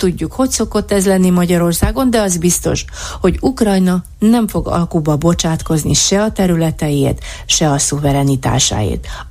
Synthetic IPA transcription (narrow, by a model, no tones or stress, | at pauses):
t̪uɟːukho̞cso̞ko̞t̪ːɛzlɛnːimɒɟɒɾo̞rsaːɡo̞nd̪ɛɒzbist̪o̞̰ʃ | ho̞ɟukrɒjnɒ | nɛɱfo̞ɡɒ̰lkuːbɒbo̞t͡ʃaːt̪ko̞znḭʃɛɒt̪ɛɾylɛt̪ɛjeːrt̪ | ʃɛɒsuvɛɾɛnit̪a̰ːʃa̰ːjḛːt̪